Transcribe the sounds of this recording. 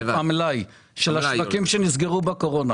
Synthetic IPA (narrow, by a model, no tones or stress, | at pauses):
amlaj | ʃelaʃvakimʃenizɡeʁubako̞ʁo̞na